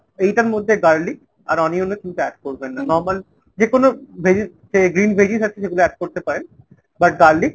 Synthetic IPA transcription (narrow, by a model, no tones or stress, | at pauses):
ejʈaɾmod̪ʱːeɡaɾlik | a̰ɾɔnionːokint̪oɛʈ̚koɾbenːanɔɾmal | d͡ʑekonobʱed͡ʑi | seɡɾinbʱed͡ʑisat͡ɕʰeʃeɡuloɛʈ̚koɾt̪epaɾen | baʈ̚ɡaɾlik